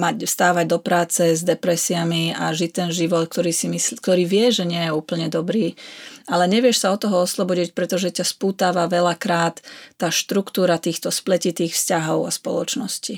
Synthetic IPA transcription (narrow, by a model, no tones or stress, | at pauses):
maɟfst̪aːʋaɟ̚d̪ɔpɾaːt͡sɛzd̪ɛpɾɛsiamiaʒic̚t̪ɛnʒiʋɔt̪kt̪ɔɾiːsimiskt̪ɔɾiːʋɪɛʒɛɲɪɛjɛuːpl̩ɲɛd̪ɔbɾiːalɛɲɛʋɪɛʃsaɔt̪ːɔɦɔɔslɔbɔɟic̚pɾɛt̪ɔʒɛcaspuːt̪aːʋaʋɛlakɾaːt̪ːaːʃt̪ɾukt̪uːɾat̪iːxt̪ɔsplɛcit̪iːxfscaɦɔʊa̰spɔ̰lɔt͡ʃnɔsci